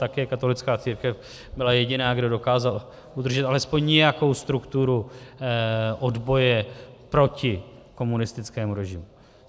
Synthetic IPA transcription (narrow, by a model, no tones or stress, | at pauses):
t̪akɛːkat̪o̞lɪt͡skaːt͡siːɾkɛf | bɪlajɛɟɪnaːɡdo̞do̞kaːzal | ud̪r̩ʒɛt̪ʔalɛspo̞ɲɲɛjako̞wst̪ɾukt̪uɾu | ʔodbo̞jɛpɾo̞cɪ | ko̞munɪst̪ɪt͡skɛːmuɾɛʒɪmu